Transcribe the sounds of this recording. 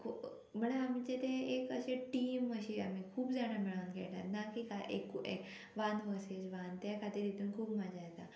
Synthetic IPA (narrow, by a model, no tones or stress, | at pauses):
kʰu | m̤əɳ̃eamit͡ɕet̪ẽekəɕeʈiːməɕia̰mikʰuːbd͡zaɽ̃amiɭankḛʈa̰t̪nakikaʔḛkːuʔek | ʋãnʋəsed͡ʑʋant̪jakʰat̪iːɾet̪uːnkʰuːbmad͡ʑajet̪a